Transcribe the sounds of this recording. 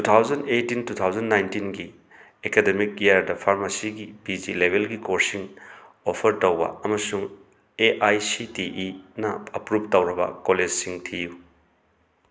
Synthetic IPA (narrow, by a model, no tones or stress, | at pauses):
tutʰawd͡ʒɐndetintutʰawzɐnːajntinɡi | ekedemikjaɾdɐpʰaɾmasiɡibid͡ʒilebʱelɡikoɾsiŋ | opʰɐɾtowbɐ̰ɐmɐsuŋ | eʔajsitiʔinɐɐpɾup̚tɐwɾɐbɐ̰koled͡ʒsiŋtʰiju